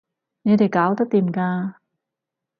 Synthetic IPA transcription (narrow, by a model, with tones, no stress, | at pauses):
ne˧˥da˨˩kaː˨˦wt̪a˥˩t̪i˨˩˨mkaː˧